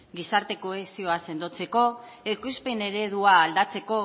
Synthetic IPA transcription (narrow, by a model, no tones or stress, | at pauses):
ɡisaɾt̪e̞ko̞esio̞ase̞nd̪o̞t͡se̞ko̞ | ekuspe̞ne̞ɾe̞ð̞uaːld̪at͡se̞ko̞